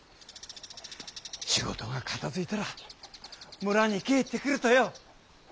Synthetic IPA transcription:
ɕiɡo̞̰t̪o̞ɡakʰat̪azɨit̪aɾa | mɯ̟ɾaɲ̟ike̞ːt̪ːe̞kɯ̟ɾɯ̟t̪o̞jo

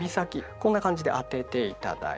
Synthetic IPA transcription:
isakʲikõ̞nːakãɲ̟d͡ʑid̪e̞ʔat̪e̞t̪e̞it̪a̰d̪a̰

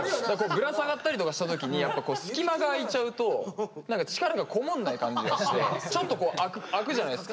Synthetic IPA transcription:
d̪akko̞ːɡɯ̟ɾasaɡat̪ːaɾʲit̪o̞kaɕi̥t̪at̪o̞kʲiɲ̟ijapːako̞ːsɨ̥kʲimaɡaːit͡ɕaɯ̟t̪o̞nãŋkat͡ɕi̥kaɾaɡakʰo̞mõnːaikãɲd͡ʑiɡaɕi̥t̪e̞̰t͡ɕo̞t̪ːo̞ko̞ːʔakɯ̟akɯ̟ʑanaj̪esɨ̥ka

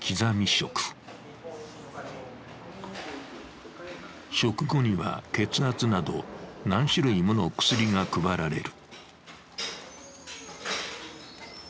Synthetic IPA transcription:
kʲʰizamʲiɕo̞kɯ̥ | ɕo̞kɯ̟ɡo̞ɲ̟iβa̰ke̞t͡sɨɦat͡sɨnad̪o̞̰nãɰ̃ɕiɾɯ̟imɯno̞kɯ̟̥sɨɾʲiŋakɯ̟baɾaɾe̞̰ɾɯ̟̥

